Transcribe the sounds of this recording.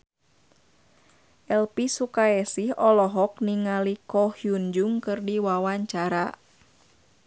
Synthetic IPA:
ʔɛlpisukaɛsihɔlɔɦɔk̚niŋalikɔhjuɲd͡ʒuŋkɨrdiwawaɲt͡ʃaɾa

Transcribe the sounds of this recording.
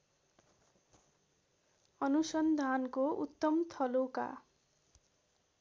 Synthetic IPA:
ʌnusʌnd̪ʱankout̪ːʌmt̪ʰʌloka̰

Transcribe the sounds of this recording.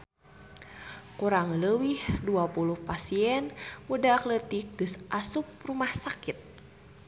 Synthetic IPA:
kuɾaŋələwihduapuluhpasiɛnmudaːklət̪ik̚ɡ̥ɨsʔasup̚rumahsakit̪̚

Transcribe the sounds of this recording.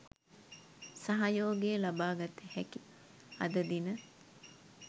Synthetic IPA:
sɐɦɐjoːɡeːlɐbaːɡɐt̪ehɛki | ɐ̰d̪ɐd̪inə

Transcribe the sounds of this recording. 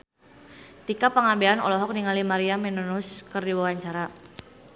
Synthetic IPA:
t̪ikapəŋabeanɔ̰lɔɦɔk̚niŋalimaɾiamɛnunuskərdiwawaɲt͡ʃaɾa

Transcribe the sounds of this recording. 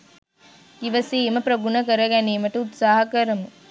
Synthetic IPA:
iʋɐsiːemɐpɾɐɡunɐkəɾɐɡæniːmɐʈɐut̪saːɦɐkəɾɐmu

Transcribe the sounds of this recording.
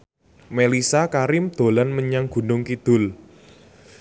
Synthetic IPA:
melisakaɾɪmd̪̥o̤lanməɲaŋɡ̥ṳnʊŋkid̪̥ʊ̤l

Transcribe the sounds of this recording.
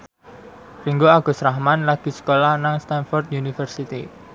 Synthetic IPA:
riŋɡoaɡ̥o̤sɾahmanlaɡ̥i̤sə̥kolahnaŋst̪anfɔrd̪̚junifərsit̪i

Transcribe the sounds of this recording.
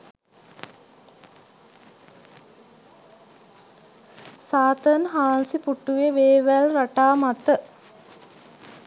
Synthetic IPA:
saːt̪ənɦaːnsipuʈːuʋeʋeːʋælraʈaːmat̪ə

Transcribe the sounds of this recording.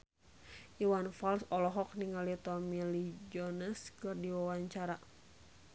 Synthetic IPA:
ʔiwanfalsɔlɔɦɔk̚niŋalit̪ɔmilid͡ʒɔnəskɨrdiwawaɲt͡ʃaɾa

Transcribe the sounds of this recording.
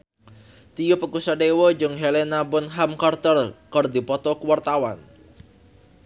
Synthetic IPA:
t̪ijupəkusadewɔd͡ʒɨŋɦelenabʊnɦamkart̪ərkərdipɔt̪ɔkəwart̪awan

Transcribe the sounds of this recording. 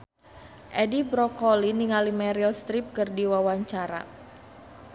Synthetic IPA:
ʔɛdibɾɔkɔliniŋalimɛɾilst̪ɾip̚kɨrdiwawaɲt͡ʃaɾa̰

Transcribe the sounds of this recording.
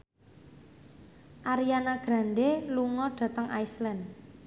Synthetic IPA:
ʔaɾijanaɡ̥ɾa̤nɖeluŋɔɖ̥ä̤t̪əŋʔajslɛn

